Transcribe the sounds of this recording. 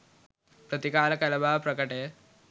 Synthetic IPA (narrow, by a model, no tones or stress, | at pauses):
pɾɐt̪ikaːlɐkɐlɐbʱaːʋɐpɾɐkɐʈeː